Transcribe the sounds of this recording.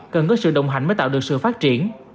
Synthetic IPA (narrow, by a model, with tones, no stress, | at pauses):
kə˨˩nkɔ˨˦sɨ̰˧˨ɗə̰˧˨wŋ͡mɦa̰˨˧˩jŋməː˨˦jt̪a̰ː˧˨wɨ˨˩ək̚sɨ̰˧˨faː˦˥t̚t͡ɕi˧˩ən